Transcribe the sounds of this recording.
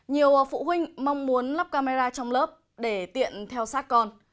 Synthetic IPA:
ɲi˨˩əwfṵ˧˨ɦwï˧ŋ̟ma˧wŋ͡mmu˨˦ənla˦˥p̚kaː˧me˧zaː˧t͡ɕɔ˧wŋ͡mlə˦˥p̚ | ɗe˧˩t̪ḭ˧˨ənt̪ʰɛ˧wsaː˦˥t̚kɔ˧n

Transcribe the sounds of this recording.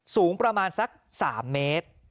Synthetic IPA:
suː˩˦˥ŋpɾa˧maː˧nsa˦˥k̚sa̰ː˩˦mːeː˦˥t̪̚

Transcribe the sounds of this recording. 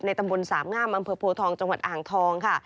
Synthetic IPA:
na˧jt̪a˧mbo˧nsaː˩˦mŋaː˥˩mʔa˧mpʰɤː˧pʰoː˧t̪ʰɔː˧ŋt͡ɕa˧ŋwa˨˩t̪̚ʔaː˨˩ŋt̪ʰɔː˧ŋkʰa˥˩

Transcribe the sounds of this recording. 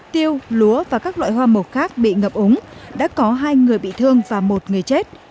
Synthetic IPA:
t̪i˧əwlu˨˦əvaː˨˩kaː˦˥k̚lwa̰ː˧˨jɦwaː˧mə˨˩t̚xaː˦˥k̚ɓḭ˧˨ŋə˨˩p̚ʔʊ˨˦ŋ͡mɗa̰ː˧˥kɔ˨˦ɦaː˧jŋɨ˨˩əjɓḭ˧˨t̪ʰɨ˧əŋvaː˨˩mo˨˩t̚ŋɨ˨˩əjt͡ɕe˦˥t̚

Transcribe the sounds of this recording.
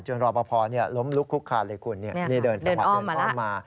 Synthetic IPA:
t͡ɕu˧ənɾɔː˧pʰɔː˧pʰɔː˧ni˦˥˩əlo˦˥mlu˦˥kʰːu˦˥kʰːaː˧˩lɤː˧˩jkʰu˧nːi˥˩ɐmiː˦˥˩dɤː˧nsdːmaː˨˥˩aː˧ɔ˥˦˩mːaː˧

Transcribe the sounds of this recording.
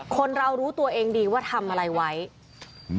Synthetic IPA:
kʰo˧nɾa˧wɾuː˦˥t̪u˧ɐʔeː˧ŋdiː˧waː˥˩t̪ʰa˧mʔa˧ɾa˧jwa˦˥j

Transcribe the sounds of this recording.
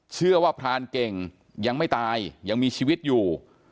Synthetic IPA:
t͡ɕʰɯ˥˩ɐwaː˥˩pʰɾaː˧nke˨˩ŋ | ja˧ŋma˥˩jt̪aː˧jja˧ŋmiː˧t͡ɕʰiː˧wi˦˥t̪̚juː˨˩

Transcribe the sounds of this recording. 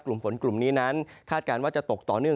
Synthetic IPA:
klu˨˩mfo˩˦nklu˨˩mniː˦˥na˦˥nkʰaː˥˩t̪̚kaː˧nwaː˥˩t͡ɕa˨˩t̪o˨˩k̚t̪ɔː˨˩nɯ˥˩ə

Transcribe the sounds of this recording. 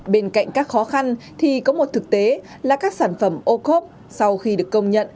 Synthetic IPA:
ɓe˧nka̰˧˨ŋ̟kaː˦˥k̚xɔ˨˦xa˧nt̪ʰi˨˩kɔ˨˦mo˨˩t̚t̪ɨ˨˩k̚t̪e˨˦ | laː˨˩kaː˦˥k̚saː˧˩nfə˧˩mʔo˧ko˦˥p̚ | sa˧wxi˧ɗɨ˨˩əkːə˧wŋ͡mɲə̰˧˨n

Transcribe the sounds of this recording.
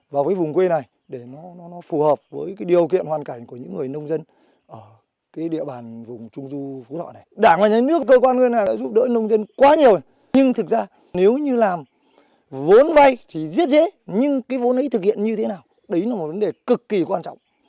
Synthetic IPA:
vaː˨˩wvəː˨˦jvʊ˨˩ŋ͡mkwe˧na˨˩j | ɗe˧˩nɔ˨˦nɔ˨˦nɔ˨˦fu˨˩həː˨˩p̚vəː˨˦jkaː˨˦jɗi˨˩əwkḭ˧˨ənhwaː˨˩nka˧˩jŋ̟ku˧˩ɲɨ̰˧˥ŋːɨ˨˩əjnə˧wŋ͡mzə˧n | ʔəː˧˩ | kaː˨˦jɗḭ˧˨əɓaː˨˩nvʊ˨˩ŋ͡mt͡ɕʊ˧ŋ͡mzu˧fu˨˦t̪ʰɔ̰˧˨na˨˩jɗaː˧˩ŋlaː˨˩ɲa˨˦nɨ˦˥əkːəː˧kwaː˧nŋɨ˧˩əjnaː˨˩ɗa̰ː˧˥zu˦˥p̚ɗə̰˧˥nə˧wŋ͡mzə˧nkwaː˨˦ɲi˨˩əw | ɲɨ˧ŋt̪ʰɨ˨˩k̚zaː˧ | ne˨˦wɲɨ˧laː˨˩m | vo˨˦nva˧jt̪ʰi˨˩zi˦˥ət̚zḛ˧˥˦ɲɨ˧ŋkaː˨˦jvo˨˦nʔə˨˦jt̪ʰɨ˨˩k̚hḭ˧˨ənɲɨ˧t̪ʰe˨˦naː˨˩w | ɗə˨˦jlaː˨˦mo˨˩t̚və˨˦nɗe˨˩kɨ˨˩kːi˨˩kwaː˧nt͡ɕɔ̰˧˨wŋ͡m

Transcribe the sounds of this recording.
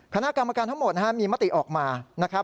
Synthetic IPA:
kʰa˧na˦˥ʔka˧mːaː˧kaː˧nt̪ʰa˥ŋmo˨˩t̪̚na˦˥a˥ʔmiː˧ma˦˥t̪i˨˩ʔɔː˨˩k̚maː˧na˦˥kʰɾa˦˥p̚

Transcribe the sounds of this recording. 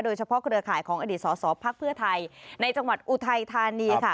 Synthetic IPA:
doː˧jt͡ɕʰa˧pʰɔ˦˥kɾɯ˧ɐkʰaː˨˩jkʰɔː˩˦ŋa˧diː˨˩t̪̚sɔː˩˦sɔː˩˦pʰaː˥˩k̚pʰɯ˥˩ɐt̪ʰa˧jna˧jt͡ɕa˧ŋwa˨˩t̪̚ʔu˨˩t̪ʰa˧jt̪ʰaː˧niː˧kʰa˥˩

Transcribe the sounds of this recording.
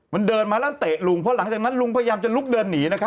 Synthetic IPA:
ma˧ndɤː˧nmaː˧lɛ˦˥˨nt̪eː˨˩t̪̚lu˧ŋpʰɔ˦˥la˩˦ŋt͡ɕaː˨˩kna˦˥nlu˧ŋpʰːja˧jaː˧mt͡ɕa˨˩lu˦˥k̚dɤː˧nːiː˩˦na˦˥kʰa˦˥

